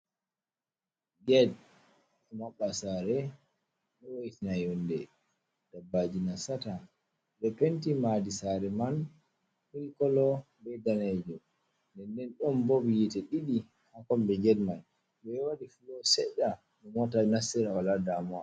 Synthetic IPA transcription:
ɡɛd | ɛmaɓːasaɾɛ | nɔwoitinajɔndɛ | d̥abad͡ʒinasata | bɛpentimadisaɾɛman | hilkɔlɔ | bɛdanɛd͡ʒɔ | ndɛndɛnɗɔmbobijitɛɗiɗi | hakɔmbɛɡɛdman | bɛwadifulɔsɛɗːa | nɔmwatanasiɾawaladamɔa

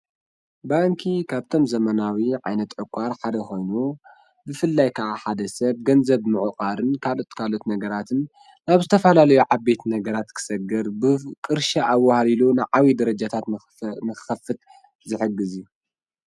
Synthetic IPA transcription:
baŋkʰikʰaβt̪ʰo̞mzɐmɐnawiʕa̰jnɐt̪ʕɨkʷʼːaɾħad̪ɐxo̞jnu | bɨfɨlːajkʰɐʔaħad̪ɐsɐβ̚ɡɐnzɐβmɨʕɨqʼaɾɨnkʰalo̞t̪kʰalo̞t̪nɐɡɐɾat̪ʰɨnː | aβzɨt̪ʰɐfɐlalɐjuʕabbe̞t̪nɐɡɐɾat̪kʰɨ̥sɐɡɐɾbɨkʼɨɾʃaʔawːahalilunaʕawid̪ɐɾɐd͡ʒat̪ʰat̪ | nɨxɨxɐfɨt̪̚ | zɨħɨɡːɨziju

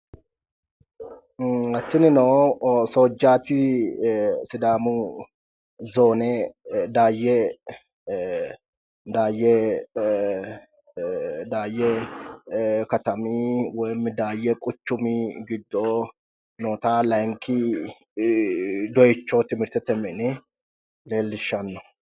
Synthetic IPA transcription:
ɐt̪ːɪnɪnoːsoːd͡ʒːaːt̪ɪ | sɪd̪aːmʊ | zo̞ːnɛd̪aːjːɛ | d̪aːjːɛ | d̪aːjːɛ | kɐt̪ɐmiːwɔjmːɪd̪aːjɛkʼʊt͡ʃːʊmiɡɪd̪ːo | noːt̪aːlɐŋkɪ | d̪ɔjɪt͡ʃːot̪ɪmɪɾt̪ɛt̪ɛmɛnɛ | le̞ːlːɪʃːɐnːɔ̥

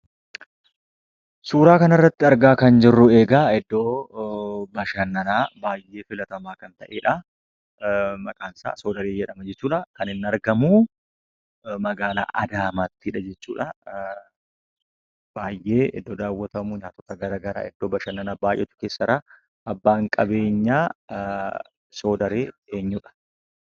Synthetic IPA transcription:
suːɾaːkɐnɐrːɐt̪ːɪɐɾɡaːkɐnd͡ʒɪrːʊe̞ːɡaːɛd̪ːoː | bɐʃɐnːɐnaːbaːjʔːe̞ːfɪlɐt̪ɐmaːkɐnt̪ɐʔeːᶑɐ | mɐkʼaːnsa̰ːsoːd̪ɐɾeːd͡ʒɛᶑɐmɐd͡ʒɛt͡ʃːuːᶑɐkɐnɪnːɐɾɡɐmu | mɐɡaːla̰ːʔɐd̪aːmaːt̪ːɪᶑɐd͡ʒɛt͡ʃːṵːᶑɐ | baːjʔe̞ːɪ̰d̪ːoːd̪aːwːɐt̪ɐmʊɲaːt̪ɔt̪ɐɡɐɾaːɡɐɾa̰ːɛd̪ːoːbɐʃɐnːɐnaːbaːjʔːɛ̰t͡ʃ̪ːʊ̥keːsːɐɾɐ | ʔɐbːaːŋkʼɐbe̞ːɲːaː | so̞ːd̪ɐɾeːeːɲːuᶑɐ̥

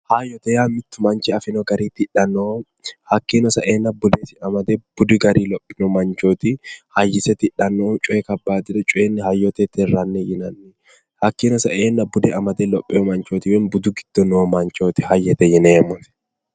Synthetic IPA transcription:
hɐjːɔt̪ɛjamɪt̪ːʊmɐnt͡ʃɪɐfɪnɔɡɐɾiːt̪ɪᶑɐnːoː | hɐkːinɔsɐʔeːnːɐbʊd̪esɪɐmɐd̪ɛb̥ʊd̪ɪɡɐɾiːlɔpʼːɪ̥nɔmɐnt͡ʃoːt̪ɪhɐjːɪsɛt̪ɪᶑːɐnːot͡ʃʼʊɛkɐbːaːd̪ɪd̪ɛt͡ʃʼʊeːnːɪhɐjːɔt̪ɛt̪ɪrːɐnːɛjɪnɐnːɛ | hɐkːiːnɔsɐʔeːnːɐbʊd̪ɛʔɐmɐd̪ɛlɔpʼːɪɔmɐnt͡ʃoːt̪iwɛnbʊd̪ʊɡɪd̪̥ːɔnoːmɐɲt͡ʃoːt̪ɪ̥hɐjːɛt̪ɛjɛneːmɔtɛ̥

